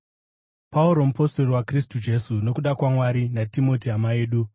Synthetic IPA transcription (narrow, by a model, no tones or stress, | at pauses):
pauɾo̞mupostoriwakristud͡ʒe̞suno̞kuɗakwamwaɾinatimo̞tiɦamae̞ːɗu